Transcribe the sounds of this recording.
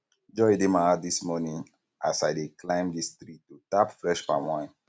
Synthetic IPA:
d͡ʒɔjdemaadismɔnĩŋ | a̰sajdeklãɪ̃mdist̪ɾitutapfɹɛʃpa̰mãɪ̃n

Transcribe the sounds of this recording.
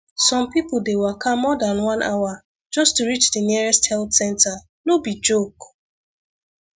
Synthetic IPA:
sɔ̃mpipʊdewɛkʰamɔdãnwãnʔawa | d͡ʒɔstuɹit͡ʃdəniɛɹɛsthɛltsɛ̃nta | lobid͡ʒok

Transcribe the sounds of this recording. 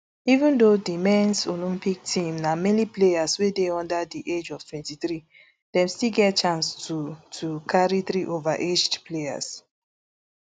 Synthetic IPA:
ivũndodimɛ̃nsolĩmpik̚tʰĩmnamɛniplejaswedeɔ̃ndadiʔed͡ʒɔv̥twɛ̃ntiθɹi | d̥ɛ̃mstilɡɛtt͡ʃãnstʰutʰukʰaɹiθɹiʔovaʔed͡ʒdpleja̰s

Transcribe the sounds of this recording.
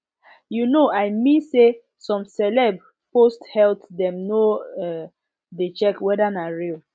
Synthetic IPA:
junoaɪmĩnse | sɔ̃msɛlɛb | posthɛltdɛ̃mnoɛ | det͡ʃɛkwɛdanaɹil

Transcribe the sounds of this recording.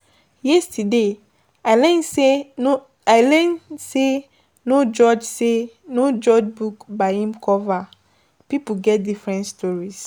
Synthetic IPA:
jɛstʰude | alɛ̃nseo | aɪlɛ̃nse | nod͡ʒɔd͡ʒse | nod͡ʒɔd͡ʒbukbahĩmkʰɔva | pipuɡɛt̚difɹɛ̃ntstʰɔɹis

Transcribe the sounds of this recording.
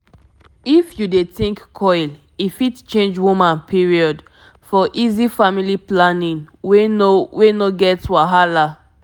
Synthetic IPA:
ifjudetĩŋkkʰɔɪl | ifitt͡ʃẽnd͡ʒwumãnpʰiɹiɔd | fɔʔizifamiliplanĩŋwenowenoɡɛtwaɦala

